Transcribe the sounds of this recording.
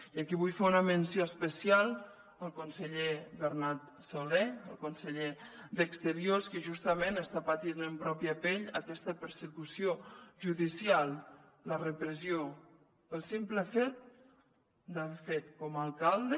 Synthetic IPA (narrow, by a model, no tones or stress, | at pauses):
iəkiβujfeunəmənsioəspəsialˠ | əlˠkunsəʎeβəɾnat̪ | soleəlˠkunsəʎed̪əkst̪əɾioskəʒust̪əmenəst̪apat̪inəmpɾɔpjəpeʎəkɛst̪əpəɾsəkusioʒuðisialˠ | lərəpɾəzjo | əlˠsimpləfet̪̚ | d̪aβefet̪kɔmalˠkalˠd̪ə